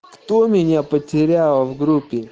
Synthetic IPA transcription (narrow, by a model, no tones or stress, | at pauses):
kt̪omʲɪnʲapətʲɪɾʲalˠvɡɾupʲːɪ